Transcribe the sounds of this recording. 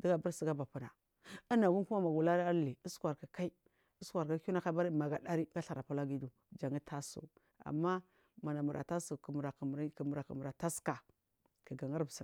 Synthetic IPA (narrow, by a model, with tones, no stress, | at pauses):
di˦ɡa˦bu˦ɾsi˨ɡa˦ba˨pu˨na˨ | ə˦na˨wu˦ku˦ma˦ma˨ɡu˨la˦ɾi˦a˦li˨i˦skʷa˨ɾka˨ka˦i˦ | i˦sʷa˨ɾka˦u˦na˦ka˦ba˦ɾi˦ma˨ɡa˨da˦ɾi˦ɡa˦ɬa˨ɾa˨pa˦la˦ɡi˦du˨ | d͡ʒa˨ŋi˦tʰa˦sṵ˨ | a̰˨mːa˦ | ma˨na˨mu˨ɾʔa̰˨ta˦su˨km˨ɾa˨km˨ɾki˨mu˨ɾa˨kə̰˨mu˨ɾa˨ta˦ska˨ | ki˨ɡa˨ŋa˦ɾbsi˨